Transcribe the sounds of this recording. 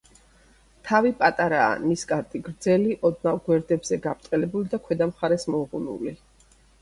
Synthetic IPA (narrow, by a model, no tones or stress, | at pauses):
t̪ʰavipʼat̪ʼaɾa̰ːniskʼaɾt̪ʼiɡɾd̪zɛliʔɔd̪̚navɡwɛɾd̪ɛbzɛɡapʰt̪ʼqʼɛlɛbulid̪akʰwɛd̪amχaɾɛsmɔʁunṵli